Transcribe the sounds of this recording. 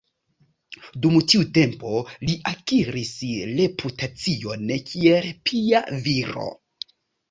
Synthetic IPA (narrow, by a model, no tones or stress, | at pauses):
dumtiute̞mpo̞liʔakiɾisɾe̞pʰutat͡sio̞nkʰielpʰiaviɾo̰